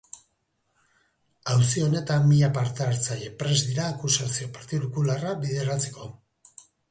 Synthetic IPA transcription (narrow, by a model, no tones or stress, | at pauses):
awsio̞ne̞t̪amːiʎapaɾt̪eaɾt͡saʎe̞pɾe̞zd̪iɾaːkusasio̞paɾt̪iðukularaβiðe̞ɾat͡se̞̥ko̞